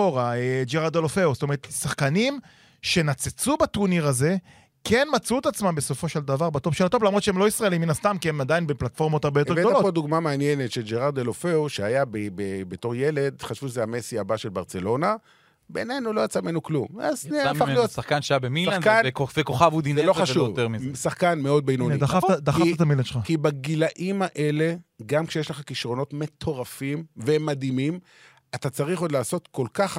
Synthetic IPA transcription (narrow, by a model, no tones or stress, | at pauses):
oʁaed͡ʒeʁad̪elofeust̪ome̞et̪saχkanim | ʃe̞nat͡set͡subat̪uniʁaze̞ | kʰenmat͡sut̪at͡smambe̞so̞fo̞ʃeld̪avaʁbat̪o̞vʃelat̪o̞vlamʁo̞t̪ʃeemlo̞isʁaelimːinast̪amkiemad̪ajinbeplat̪fo̞ʁmo̞taʁbejotevedoalopod̪uɡmameanjenet̪ʃeld͡ʒeʁaʁd̪elofeuʃeajabebebeto̞ʁjele̞d̪χaʃvuʃezeamesiabaʃe̞lbaʁt͡se̞lo̞na | be̞ne̞jnulo̞jat͡samenuklumvazneafalijotsaχkanʃajabemilakaanvekoχavud̪inzelo̞χaʃujoveʁmisaχkanmeo̞d̪̚bejnonid̪aafad̪aχaiat̪amiladʃakibaɡilaʔimaʔe̞le̞ɡamkʃejeʃleχakiʃʁo̞no̞tme̞tʰo̞ʁafimve̞mad̪imim | atat͡saʁiχo̞dlaːso̞t̪ko̞lkaχ